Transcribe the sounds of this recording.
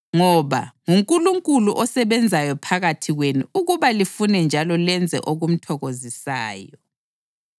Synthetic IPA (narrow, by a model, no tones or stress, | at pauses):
ŋɔβa̰ŋuŋkʼuluŋkʼuluʔɔsɛβɛnd͡zʱajɔpʰaɣatʰiɣweniuɣuβalifunɛnd͡ʒʱalɔlɛnd͡zʱɛ̰ʔoɣum̩tʰɔɣozisaːjɔ